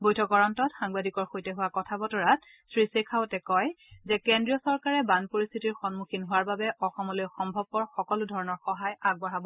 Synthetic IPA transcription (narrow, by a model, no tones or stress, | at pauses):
bojtʰɔkɔɹɔntɔtxaŋbadʱikɔɹxojtɛɦʊwakɔtʰabɔtɔɹat | sɹisekʰawtɛkɔjzɛkendɹijɔsɔɹkaɹɛbanpoɹist̪ʰitiɹxɔnmukʰinɦʊwaɹbabɛʔɔxɔmɔlojxɔmbʱɔb̚kɔɹxɔkɔlʊdʱɔɹɔnɔɹxɔɦajaɡ̚bɔɹabɔ